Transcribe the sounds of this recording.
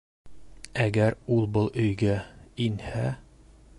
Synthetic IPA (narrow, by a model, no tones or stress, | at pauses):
æɡæɾulˠbɤlˠɵ̆jɡæinhæ